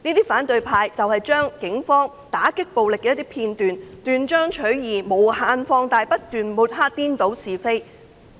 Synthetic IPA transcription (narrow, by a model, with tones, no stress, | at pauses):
niː˥t̪iː˥faː˨˥nt̪ɵ˨ɥpʰaː˧jt͡sɐ˨whɐ˨jt͡ʃœː˥ŋkɪ˨˥ŋfɔː˥ŋ | t̪aː˨˥kɪ˥k̚po˨wlɪ˨kːɛː˧jt̪iː˥pʰiː˧nt̪yː˨nt̪yː˨nt͡ʃœː˥ŋt͡ʃʰɵ˨˥ɥjiː˨˩mo˨˧whaː˧nfɔː˧ŋt̪aː˨jpɐ˥t̚t̪yː˨˩nmuː˨˩t̚ɦaː˥t̚t̪iː˥nt̪o˨˥wsiː˨fe˥j